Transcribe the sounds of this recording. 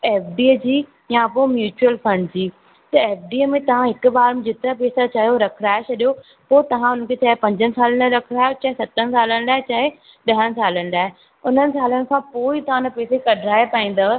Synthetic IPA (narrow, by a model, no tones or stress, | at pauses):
eːfɖiːd͡ʑiː | jãpomjuːt͡ɕuəlfɐ̃ɳɖd͡ʑiː | t̪ɐeːfɖiːemẽt̪ɐʋ̤ãɦɪkʊbaːɾmẽd͡ʑɪt̪ɪɾapeːsat͡ɕaːɦjoɾɐkʰɾaːet͡ɕʰɐɗijo | poːt̪ɐʋ̤ãʊnən̆kʰet͡ɕaːɦepɐ̃ɲd͡ʑənɪ̆saːlənɐɾɐkʰɾaːjot͡ɕaːɦesɐt̪ənɪ̆saːlənɪlaːɦet͡ɕaːɦe | ɗɐɦənɪ̆saːlənɪlaːɦe | ʊn̤ənɪ̆saːlənɪ̆kʰãpoːit̪ɐʋ̤ãnɐpɛːsekɐɖʱɾaːepaːĩːn̆d̪a